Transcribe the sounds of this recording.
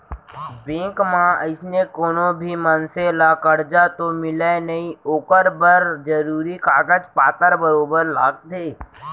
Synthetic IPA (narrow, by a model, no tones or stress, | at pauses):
bẽːkmãəɪsnekoːnõbʱimɐnselakɐɽd͡ʒat̪omɪlenɐĩoːkəɾbəɾd͡ʒɐɾuːɾikaːɡəd͡ʒpaːt̪əɾbəɾoːbəɾla̰ːk̚d̪eː